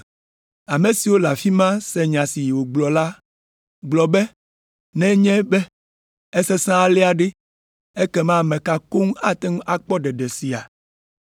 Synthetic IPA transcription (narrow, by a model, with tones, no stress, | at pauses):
a˨me˨si˨wo˦la˨fi˦mã˦sɛ˨ɲã˨si˨wo˨ɡ͡blɔ˨la˦ | ɡ͡blɔ˨bɛ˦ | nɛ̃˦ɲɛ̃˦bɛ˦ | ɛ˦sɛ˦sã˦a˨lɛ˦a˨ɖe˦ | e˦kɛ˦mã˦˨mɛ̃˨ka˨ko˦ŋ˦a˨t̪ɛ˦ŋũ˦a˦k͡pɔ˦ɖɛ˨ɖɛ˨si˨a˨